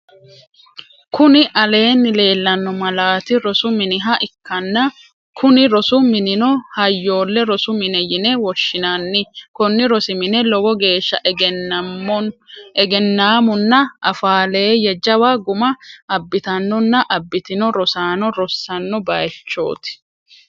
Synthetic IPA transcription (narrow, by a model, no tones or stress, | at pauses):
kʊnɪʔɐle̞ːnːɪle̞ːlːɐnːɔmɐlaːt̪ɪɾɔsʊmɪnɪɦɐʔɪkːɐnːɐ | kʰʊnɪɾɔsʊmɪnɪnɔhɐjːo̞ːlːɛɾɔsʊmɪnɛjɪnɛwɔʃːɪnɐnːɪkɔnːɪɾɔsɪmɪnɛlɔɡɔɡe̞ːʃːɐ | ɛɡɛnːaːmʊnːɐʔɐfaːle̞ːjɛd͡ʒɐwaɡʊmɐɐbːɪt̪ɐnːɔnːɐʔɐbːɪt̪ɪnɔɾɔsaːnɔɾɔsːɐnːɔbɐjɛt͡ʃːo̞̰ːt̪ɪ̥